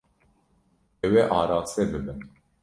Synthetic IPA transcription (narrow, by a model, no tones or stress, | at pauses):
ɛwɛʔɑːɾɑːsɛbɨbɨn